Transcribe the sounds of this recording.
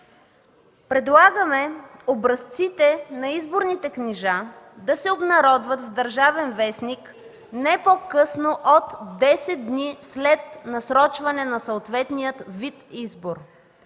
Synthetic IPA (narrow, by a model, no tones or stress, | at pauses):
pɾɛd̪lˠaɡəmɛobɾɐst̪sit̪ɛnɐizboɾnit̪ɛkniʒa | d̪ɐsɛobnɐɾɔd̪vɐt̪vd̪ɐɾʒavɛnvɛsnik | nɛpokɤsnoʔot̪d̪ɛsɛd̪̚d̪nislɛt̪nɐsɾɔt͡ʃvɐnɛnɐsəːt̪vɛt̪nijət̪vit̪izboɾ